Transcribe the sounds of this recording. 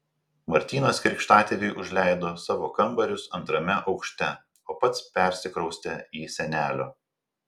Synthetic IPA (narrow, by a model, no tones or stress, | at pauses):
mɐɾʲt̪ʲiːnɐskɾʲɪkʃt̪ɑːt̪ʲelʲɪɪʔʊʒʲlʲæɪd̪oːsɑːʋoːkɐmbɐɾʲʊsɐnt̪ɾɐmʲɛʔɒʊkʃʲt̪ʲɛ | oːpɐt̪spʲɛˑɾʲsʲɪkɾɔʊsʲt̪ʲɛiːsʲɛnʲæːlʲoː